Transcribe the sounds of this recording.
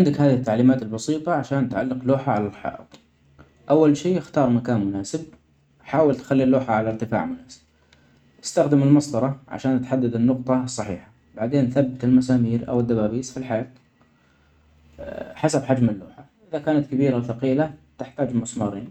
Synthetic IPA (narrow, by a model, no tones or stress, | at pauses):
ʕɪnd̪akhaːðihɪt̪ːaʕliːmaːt̪ɪlbɑsˤiːt̪ˤɑʕaʃaːnt̪ʕalːɪqluːħaʕalalħɑ̰ːʔɨ̰t̪ˤ | ʔawːalʃiːʔɪxt̪ɑːɾˤmakaːnmʊnaːsɪb̚ | ħaːwɪlt̪xalːilːoːħaʕalaɾt̪ɪfa̰ːʕmʊnaːsɪ̥b̥̚ | ʔɪ̥st̪axd̪ɪmɪlmɑsˤd̪ɑɾˤɑʕa̰ʃaːnʔat̪ħad̪ːad̪ɪnːʊqt̪ˤɑsˤːɑħḭːħḁ | b̥aʕd̪eːnθabːɪt̪ɪlmas̬aːmiːɾʔa̰wɪd̪ːabaːbiːsfilħajaːt̪ | ħasabħad͡ʒmɪlːṵːħaʔɪðakaːnat̪kabiːɾawθaqiːlat̪ɪħt̪aːd͡ʒmʊsmɑːɾˤiːn